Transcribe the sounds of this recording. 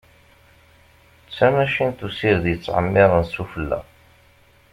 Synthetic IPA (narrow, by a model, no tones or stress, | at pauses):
t͡sːæmæʃint̪usiɾðjət͡sːʕə̰mːɪʁˤənsufəlːæ̰